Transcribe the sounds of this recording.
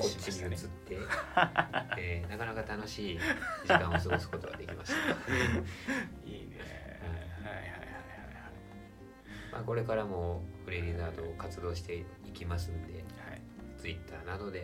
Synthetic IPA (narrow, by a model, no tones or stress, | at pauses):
ko̞t͡ɕːiɲʲiɯt͡sɨt̪ːe̞ | eːnakanakat̪ano̞ɕiːd͡ʑikãɰ̃os̬oɡosɨ̥ko̞t̪o̞ɡa̰d̪e̞kʲimaɕt̪ḁ | ḭː | haiaha | a | ai | ma̰ːko̞ɾe̞kaɾamo̞ɸɯ̟ɾe̞ɾʲizaːd̪o̞ːkat͡sɨd̪o̞ːɕ̬i̥t̪e̞ | ikʲimas̬ɨ̃nd̪e̞ha | t͡sɨit̪ʰːaːnano̞d̪e̞